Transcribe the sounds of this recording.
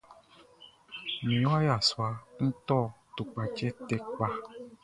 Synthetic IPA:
mĩ˨wa˦ja˨swa˨ŋ̩˦t̪ɔ˦˨ | t̪u˨k͡pa˨t͡ʃɛ˦t̪ɛ˦k͡pa˧

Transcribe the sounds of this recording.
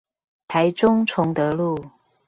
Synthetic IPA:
t̪ʰa˧˥ɪʈ͡ʂʊ˥ŋt͡sʰʊ˧˥ŋt̪ɤ˧˦lu˥˩

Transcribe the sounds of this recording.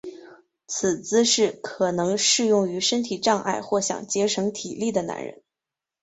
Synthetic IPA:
t͡s̩ʰ˨˩t͡sɹ̩˥ʂɻ̩˥˩kʰɤ˨˩nɤ˧˥ŋʂɻ̩˥˧jʊ˥˩ŋy˧˥ʂə˥nt̪ʰi˨˩ʈ͡ʂɑ˥˧ŋʔa̰˥˧ɪxwɔ˥˩ɕjɑ̰˨˩ŋt͡ɕjɛ˧˥ʂʰɤ˧˥ŋt̪ʰi˨˩li˥˩d̪ə˩na̰˧˥nɻə̰˧˥n

